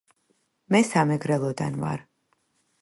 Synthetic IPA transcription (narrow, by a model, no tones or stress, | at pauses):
mɛsamɛɡɾɛlˠɔd̪a̰nva̰ɾ